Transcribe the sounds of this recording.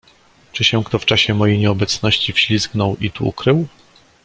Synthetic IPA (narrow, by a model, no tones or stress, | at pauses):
t͡ʂɘɕɛ̃kt̪ɔft͡ʂaɕɛmɔjejɲɛɔbɛt̪snɔɕt͡ɕifɕlʲisknɔwit̪uṵkɾɘw